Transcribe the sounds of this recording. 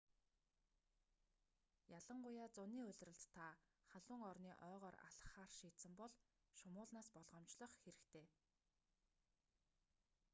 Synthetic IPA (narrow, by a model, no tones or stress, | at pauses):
jaɮə̆ɴɢʊjaːt͡sʊniːʊɮʲrə̆ɬt̪t̪ʰːa | χaɮʊːŋɔrniːʔœːʁœːra̰ɮə̥̆χaːrʃiːt̪sɘ̆mpɔɮ | ʃʊmʊːɮnaːspɔɮʁɞ̆mt͡ɕɮɞ̆χxeɾɘ̆kt̪ʰeː